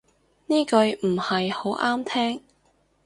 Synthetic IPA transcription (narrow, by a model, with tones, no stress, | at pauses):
niː˥kɵ˧ɥm̩˨˩hɐ˨jho˨˥wʔaː˥mt̪ʰɛː˥ŋ